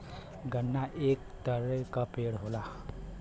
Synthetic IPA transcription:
ɡənːaʔeːk̚t̪əɾekapeːɽɦoːlaː

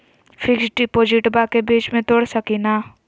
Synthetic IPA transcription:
fʰɪksɖipoːd͡ʒɪʈbakebiːt͡ʃmẽt̪oːɽsəkina

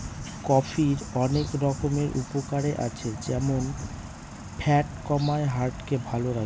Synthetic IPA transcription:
kɔfiɾɔnekɾɔkomeɾʔṵpokaɾeʔa̰t͡ɕʰed͡ʑɛmon | pʰɛʈkɔmaeɦaɾʈkebʱaloɾa

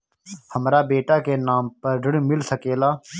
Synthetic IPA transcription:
həmɾaːbeːʈaːkeːnaːmpəɾɖəɽmɪlsəkeːlaː

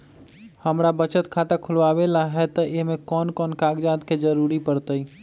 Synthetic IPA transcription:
həmɾabət͡ʃət̪kʰat̪akʰulʋabelaɦɛt̪ɔʔeɦmekɔnkɔnkaɡd͡ʒad̪ked͡ʒəɾuɾipəɾt̪əi

